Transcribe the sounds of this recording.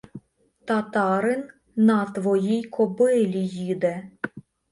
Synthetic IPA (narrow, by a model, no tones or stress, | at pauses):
t̪at̪ɑɾɨn | nɑt̪vɔjijkʰɔbɨlʲijid̪ɛ